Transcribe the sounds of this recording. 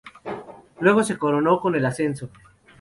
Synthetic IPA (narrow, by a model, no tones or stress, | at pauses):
lwe̞ɣ̞ose̞koɾonokone̞lase̞nso